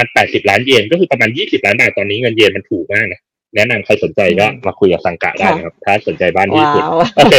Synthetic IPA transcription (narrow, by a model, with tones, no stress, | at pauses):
ma˧npɛː˨˩t̪̚si˨˩p̚laː˦˥njeː˧nkɔː˥˩ɯː˧pa˧maː˧njiː˥˩si˨˩p̚laː˦˥nbaː˨˩t̪ːɔː˧nːiː˦˥ŋɤ˧njeː˧nma˧nt̪ʰuː˨˩k̚maː˥˩k̚na˦˥ | nɛ˦˥ʔna˧mkʰa˧jso˨˩˦nt͡ɕa˧jkɔː˥˩maː˧kʰu˧jka˨˩sa˨˧ŋka̰˨˩ʔdaː˥˩na˧˩kʰa˦˥p̚t̪ʰaː˥˩˥so˨˩˦nt͡ɕa˧jbaː˥˩nt̪ʰiː˥˩su˨˩t̪ʔoː˧kʰeː˧